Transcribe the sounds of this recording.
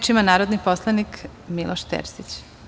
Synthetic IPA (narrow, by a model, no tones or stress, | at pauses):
t͡ʃimanaːɾod̪niposlˠanik | milˠʔoʃt̪ḛːɾsit͡ɕ